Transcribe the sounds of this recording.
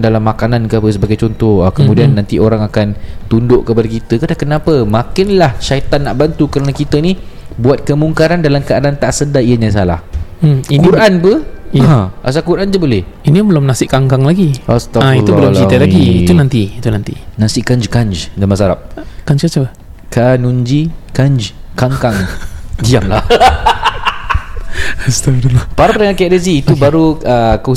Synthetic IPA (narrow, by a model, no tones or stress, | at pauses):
dalamːakanankəapəsəbaɡajt͡ʃɔnt̪ɔhakəmũdianːãnt̪ioɾaŋakant̪undʊʔkəpadakit̪əkadakənãpəmakɪnlahʃait̪anːaʔbant̪ukəɾənakit̪ənibuat̪̚kəmuŋkaɾandalamkaadant̪aʔsədaiəɲas̬ala̰h̩inkuɾʔanpəãʔa̰s̬akuɾʔand͡ʒabolɛh | inibəlʊmnasɪʔkaŋkaŋlaɡiast̪aaiublʊmt͡ʃit̪alaɡiːt̪unãnt̪iit̪unãnt̪ḭnãsɪʔkaɲd͡ʒkaɲd͡ʒdamasaɾa̰p̚kaɲd͡ʒkat͡ʃa | kanũɲd͡ʒikaɲd͡ʒkaŋkaŋdiamla̰ | ast̪atulpaɾapəɾəŋakɛʔdəziːt̪ubaɾuəko